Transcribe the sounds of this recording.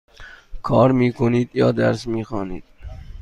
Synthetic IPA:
kʰɒːɾmiːkʰoniːd̪jɒːd̪æɾsmiːxɑːnḭːd̪̥̚

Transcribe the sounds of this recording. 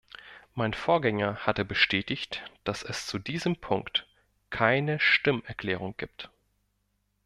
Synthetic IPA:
maɪnfoːɐɡɛŋɐhatəbəʃtʰɛːtɪçtd̥asɛst͡sudiːzəmpʰʊŋkt | kʰaɪnəʃtɪmɛɐkʰl̥ɛːʁ̞ʊŋɡ̥iːp̚t

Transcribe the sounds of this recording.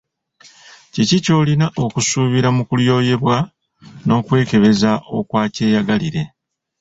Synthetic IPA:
cicico̞ːlinaʔo̞kusuːβiɾamukuljo̞ːje̞βwa | no̞ːkwe̞ːke̞βe̞zaʔo̞kwaːce̞ːjaɡaliɾe̞

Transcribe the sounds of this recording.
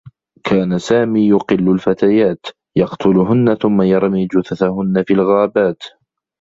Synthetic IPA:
kʰaːnasaːmiːjʊqɨlːʊlfat̪ajaːt̪ | jɑqt̪ʰʊlɦʊnːaθʊmːajɑɾˤmiːd͡ʒʊθaθahʊnːafiːlɣaːbaːt̪

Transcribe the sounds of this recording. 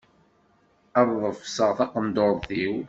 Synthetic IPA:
əɾˤðˤəfsəʁθɑqənd̪oɾˤθiw

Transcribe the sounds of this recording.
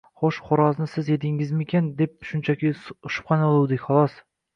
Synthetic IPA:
χoʃχoɾɑznɪsɪzet̪ɪŋɪzmekʲend̪ep̚ʃʊnt͡ʃʰækʲiʊʃʊ̥p̚qʰɑnɑlˠuwd̪ɪkʲχɑlˠɑs

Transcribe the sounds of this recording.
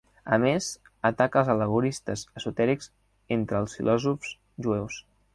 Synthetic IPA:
ə̰mez | ət̪akəlˠzələɣ̞uɾist̪əzəsut̪ɛɾikz | ent̪ɾəlˠsfḭlʔɔzufz̥ | ʒuɛws

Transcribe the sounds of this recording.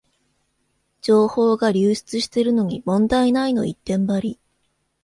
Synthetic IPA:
d͡ʑo̞ːho̞ːɡaɾʲɨːɕi̥t͡sɨɕi̥t̪e̞ɾɯ̟no̞ɲ̟imõ̞nd̪ainaino̞it̪ːẽ̞mbaɾʲi

